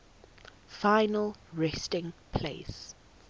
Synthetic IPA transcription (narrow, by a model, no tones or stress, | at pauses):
fãɪnəlɹɛstɪ̃ŋpʰleɪs